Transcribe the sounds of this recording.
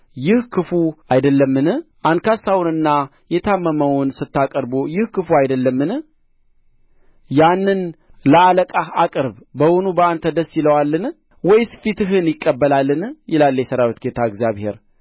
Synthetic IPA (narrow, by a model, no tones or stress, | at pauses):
jɪhkʰɨfuajd̪əlːəmːɨnɨʔankʰasawʊnɨnːa | jɛt̪ʰamːəməwʊnsɨt̪ːakʼəɾbojɪhkɨfuajd̪əlːəmːɨnɨ | janːɨnləaləkʼaakʼɨɾbbəwonubəant̪ʰəd̪əsːjɪləwalːɨn | wɔjsɨ̥fit̪ɨɦɨnjɪkʼːəbːəlalːɨnjɪlalːjɛsəɾawit̪ɡet̪ʰaəɡzijaβhe̞̰ɾ